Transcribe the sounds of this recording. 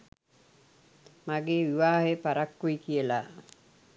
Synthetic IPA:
maɡeːʋiʋaːɦepaɾakːuikijəlaː

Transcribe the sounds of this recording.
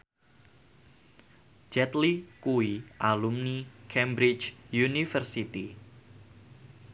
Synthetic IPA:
d͡ʒɛt̪likuiʔalumnikʰɛmbɾɪt͡ʃjunifərsit̪i

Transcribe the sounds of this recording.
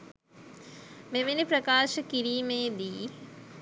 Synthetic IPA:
meminipɾɐkaːʃɐkiɾiːmeːd̪iː

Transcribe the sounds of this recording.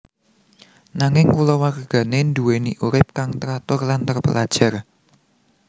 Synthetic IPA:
naŋɪŋkulɔwakərɡ̥ä̤nend̪uweniʔuɾɪp̚kaŋt̪əɾat̪ʊrlant̪ərpə̰lad̥ʒ̥a̤r

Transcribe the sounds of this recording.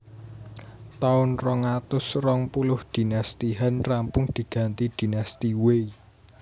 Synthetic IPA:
t̪aʊnrɔŋat̪ʊsrɔŋpulʊhd̪̥i̤nast̪iɦanrampʊŋd̪̥i̤ɡ̥a̤nt̪id̪̥i̤nast̪iwei

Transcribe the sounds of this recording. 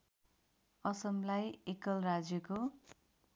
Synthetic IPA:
ʌsʌmlajekʌlrad͡zjʌko

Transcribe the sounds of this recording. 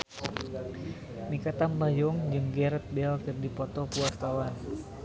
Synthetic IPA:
mikat̪ambajɔŋd͡ʒɨŋɡɛɾət̪̚bɛlkɨrdipɔt̪ɔpuart̪awan

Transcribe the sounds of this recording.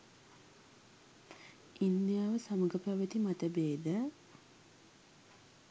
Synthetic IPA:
ind̪ijaːʋəsaməɡəpæʋət̪imat̪əbeːd̪ə

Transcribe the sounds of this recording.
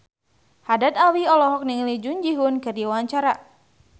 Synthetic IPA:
hadat̪awiɔlɔɦɔk̚niŋlid͡ʒund͡ʒiɦunkɨrdiwaaɲt͡ʃaɾa

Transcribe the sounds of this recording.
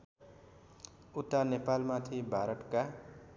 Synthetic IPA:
ut̪ːanepalmat̪ʰibʱaɾʌʈka

